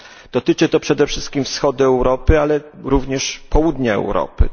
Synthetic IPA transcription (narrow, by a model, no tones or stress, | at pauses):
d̪̥ɔt̪ɘt͡ʂɘt̪ɔpʂɛd̪ɛfʂɘst̪̚kʲimfsxɔd̪ɘɛwɾɔpɘalɛɾuvɲɛʂpɔwud̪ɲaɛ̰wɾɔ̰pɘ̰